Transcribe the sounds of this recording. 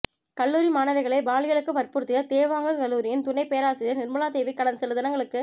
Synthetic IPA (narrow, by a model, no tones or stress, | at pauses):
kɐlːuːɾimaːnɐʋɐɪɣɐɭɐɪbaːlɪjɐɭɯkːɯpɐrpʊɾɯt̪ːɪjɐt̪eːʋaːŋɡɯkɐlːuːɾɪjɪnt̪ʊɳɐɪpejɐɾaːsɪɾɪjɐnɪɾmɯlaːd̪eːʋikːɐɽɐnsɛlɯðɐnɐŋɡɐɭɯkːɯ